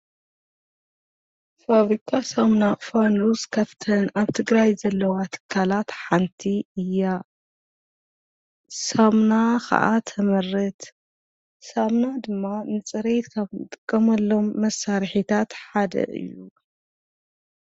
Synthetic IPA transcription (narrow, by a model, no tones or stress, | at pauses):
faβɾikʰasɐmnafanuzkʰɐft̪ʰɐnaβt̪ʰɨɡɾajzɐlːɐwat̪ʰɨ̥kʰːalat̪ħant̪ʰiɨja | samnakʰa̰ʔat̪ʰɐmɐrːɨt̪ | samnad̪ɨmːanɨt͡sʼɐɾet̪kʰaβɨt̪ʼɨ̥kʼːɐmɐlːo̞mːɐsːaɾħit̪ʰat̪ħad̪ɐ̰ʔɨ̰jːṵ